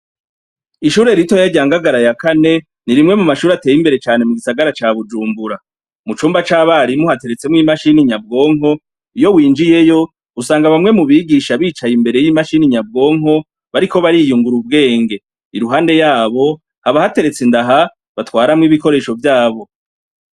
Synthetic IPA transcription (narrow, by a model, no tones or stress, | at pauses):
iʃuːɾe̞ɾitojaɟaːŋɡaɡaɾajakane̞ | niɾimŋe̞mumaʃuːɾate̞ːjimbe̞ɾe̞t͡ʃaːne̞muɡisaɡaɾat͡ʃaβud͡ʒuːmbuɾa | mut͡ʃuːmbat͡ʃaːβaɾimuhate̞ɾe̞t͡se̞mŋiːmaʃiniɲab̚ɡo̞ːŋo̞ | ijo̞wiːnd͡ʒije̞jo̞ | usaːŋɡaβamŋe̞muβiɡiʃaβiːt͡ʃajimbe̞ɾe̞jimaʃiniɲab̚ɡo̞ːŋɦo̞ | βaɾiko̞βaɾijuŋɡuɾub̚ɡe̞ːŋɡe̞ | iɾuɦaːnde̞jaːβo̞ | haβahate̞ɾe̞t͡sendaɦa | βatwaːɾamŋiːβiko̞ɾe̞ːʃo̞vjaːβo̞